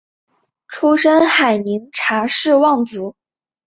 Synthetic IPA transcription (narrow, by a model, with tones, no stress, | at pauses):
ʈ͡ʂʰu˥ʂə˥nxa˨˩ɪni˧˥ŋʈ͡ʂʰa˧˥ʂɻ̩˥˧wɑ˥˩ŋt͡su˧˥